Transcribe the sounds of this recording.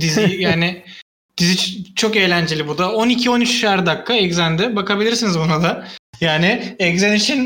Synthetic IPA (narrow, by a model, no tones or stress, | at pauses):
d̪izijaːnɪ | d̪̥izit͡ʃt͡ʃʰo̞kejlʲænd͡ʒelʲibud̪ao̞nicʰio̞nyt͡ʃʃaɾd̪akːaɛczænd̪ɛbakʰabilʲiɾsinizbunad̪ajaːnɪɛczeniʃin